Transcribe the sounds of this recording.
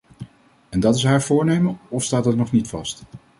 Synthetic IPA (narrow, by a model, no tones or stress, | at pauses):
ɛndɑtɪsɦaːɹvʊːɹnejməɔfstaːtdɑtnɔχnitfɑst